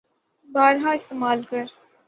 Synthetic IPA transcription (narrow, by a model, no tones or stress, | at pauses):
baːɾɦaɪst̪eːmaːlkɐɾ